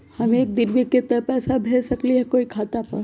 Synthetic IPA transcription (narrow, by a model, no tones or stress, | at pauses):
hɐmeeːk̚d̪ɪnbiket̪ːəpɛːsabʱeːsəkliɦɛkoːikʰaːt̪apəɾ